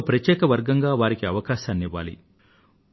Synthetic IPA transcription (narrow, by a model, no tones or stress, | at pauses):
pɾɐtjɛːkɐʋɐɾɡɐŋɡaːʋaːɾikiɐʋɐkaːʃaːnːiʋa̰ːlḭ